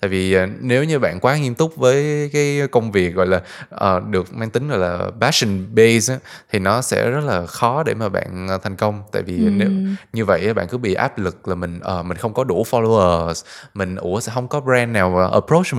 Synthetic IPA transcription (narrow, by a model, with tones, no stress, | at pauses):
tt̪a̰ː˧˨jvi˨˩˨ne˨˦wɲɨ˧ɓa̰ː˧˨nkwaː˨˦ŋi˧nt̪ʊ˦˥k͡p̚vəː˨˦jkaː˨˦jkə˧wŋ͡mvi˨˩ək̚ɣɔ̰˧˨jlaː˨˩ʔəː˨˩ɗɨ˨˩ək̚maː˧ŋt̪ï˨˦ŋ̟ɣɔ̰˧˨jlaː˨˩ɓaː˦˥ʃi˨˩nɓe˧jzaː˦t̪ʰi˨˩nɔ˨˦sɛ̰˧˥zə˦˥t̚laː˨˩xɔ˨˦ɗe˧˩maː˨˩ɓa̰ː˧˨nː˨t̪ʰɛ˨˩jŋ̟kə˧wŋ͡mt̪a̰ː˧˨jvi˨˩˨ne˨˦wɲɨ˧və̰˧˨jʔaː˨˦ɓa̰ː˧˨nkɨ˨˦ɓḭ˧˨ʔa̰ː˦˥p̚lɨ˨˩k̚laː˨˩mï˨˩ŋ̟ʔəː˨˩mï˨˩ŋ̟xə˧wŋ͡mkɔ˨˦ɗu˧˩fɔ˧lo˧əː˨˩smï˨˩ŋ̟ʔṵ˧˩əsɛ̰˧˥ɦə˧wŋ͡mkɔ˨˦bɾɛː˧nːaː˨˩wʔə̰˨˩pɾo˦˥t͡ɕ